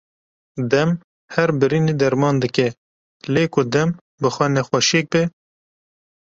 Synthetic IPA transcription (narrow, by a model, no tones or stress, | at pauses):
d̪ɛm | hɛɾbɨɾiːneːd̪ɛɾmɑːnd̪ɨkɛ | leːkʰʊd̪ɛm | bɨxʷɛnɛxʷɛʃek̚bɛ